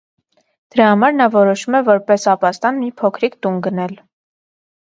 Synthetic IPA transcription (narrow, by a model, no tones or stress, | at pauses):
d̪̥əɾɑhɑmɑɾnɑvɔɾɔʃumɛvɔɾpɛsɑpɑst̪ɑnmipʰɔkʰɾikt̪unɡənɛl